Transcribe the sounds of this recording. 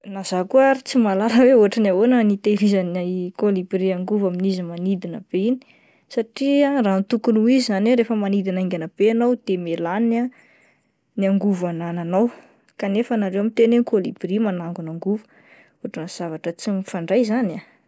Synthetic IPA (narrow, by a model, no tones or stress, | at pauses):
nazakuaɾit͡simalaləweoaʈ͡ʂanawonənit̪elizənakolibriaŋɡuvaminizimanid̪inəb̥eini̥ | saʈ͡ʂiarant̪ukunuizizaneɾefəmanid̪inaŋɡanəb̥eanawd̪̥emelana | niaŋɡuvanananaw | kanefənaɾewamit̪enenikolibrimanaŋɡunaŋɡuvu | oaʈ͡ʂənəz̥avaʈ͡ʂət͡simifaɳɖ͡ʐajzana